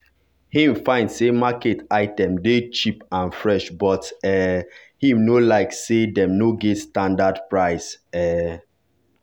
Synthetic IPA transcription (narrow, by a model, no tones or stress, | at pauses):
hĩmfãɪ̃ndsemaketaɪtɛ̃mdet͡ʃipãnfɹɛʃbɔtɛhĩmnolaɪksedɛ̃mnoɡɛtstãndadpɹaɪsɛ